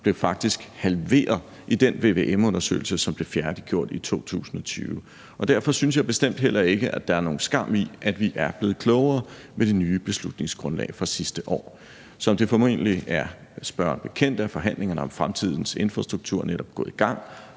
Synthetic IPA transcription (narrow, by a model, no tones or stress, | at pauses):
b̥le̝ʊfɑ̈ɡ̥̚d̥isɡ̥hælʋe̝̰ːɐðˠ | ʔid̥enʋe̝ʋe̝̰ːʔemɔ̽nɐsø̰ːɪl̩səsɒ̽mb̥le̝fjæɐd̥iɡ̥jo̝ɐ̰d̥it͡sʰo̝̰ːt͡sʰṵːsn̩ɒ̽t͡sʰy̰ːʊə | ʔɒ̽d̥æɐfɒ̽synsjɑ̈ɪb̥e̝sd̥em̰d̥ɦelʔɐe̝ɡ̥əʔæd̥ɑ̈æɐno̝ːn̩sɡ̥ɑ̈m̰iʔæd̥ʋiʔæɐb̥le̝ːð̞̩ˠkʰlɔʊɐː | med̥e̝nyːb̥e̝slud̥ne̝ŋsɡ̥ʁɔ̽nlɛ̰ːfʁɑ̈sisd̥əʔɒ̰ː | sɒ̽md̥e̝fɒme̝̰ːnəliæɐ | sb̥ɶɐnb̥e̝kʰen̰d̥æfɒ̽ɦæn̰le̝ŋɐnəɒ̽mfʁamt͡sʰið̰ˠn̩se̝nfʁɑ̈sd̥ʁuɡ̥̚t͡sʰuɐ̰neɾ̥ɒ̽b̥ɡ̥ɔ̽ð̩̰ˠiɡ̥ɑ̈ŋ̰